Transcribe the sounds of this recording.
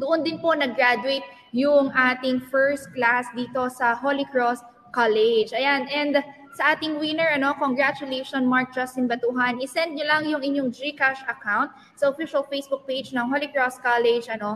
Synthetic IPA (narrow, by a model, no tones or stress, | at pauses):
d̪ʊʔond̪ɪnpo̞nɐɡɹad̪ʊejt̪̚ | jʊŋʔaːt̪ɪŋfɛɹst̪̚klasd̪iːt̪o̞sɐɦolɪkɹost̪̚ | kalɛd͡ʒʔɐjanɛnd̪ | sɐʔaːt̪ɪŋwɪnɛɹʔɐno̞koŋɡɹat͡ʃʊlejʃonmaɹk̚d͡ʒɐst̪ɪnbɐt̪uːɦɐnʔɪsɛnd̪̚ɲʊlɐŋjʊŋʔɪɲoŋd͡ʒikaʃɐkawnt̪̚ | sɐʔofiʃɐlfejsbʊk̚pejd͡ʒnɐŋholɪkɹost̪̚kalɛd͡ʒʔɐno̞